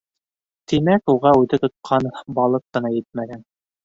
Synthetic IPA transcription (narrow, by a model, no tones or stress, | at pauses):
t̪imækuʁɑʉðɘt̪ŏt̪̚qʰɑnbɑlˠɤq̚qːɤ̆nɑjɘt̪̚mæɡæn